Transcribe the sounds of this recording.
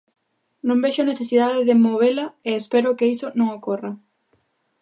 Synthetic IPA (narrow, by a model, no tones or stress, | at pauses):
nõŋbeʃʊaneθesiðaðɪðɪmoβelɐeespɛɾʊkɪisonõŋokorɐ